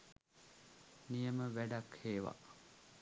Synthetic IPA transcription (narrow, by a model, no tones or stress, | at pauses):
nijəməʋæɖakheːʋa̰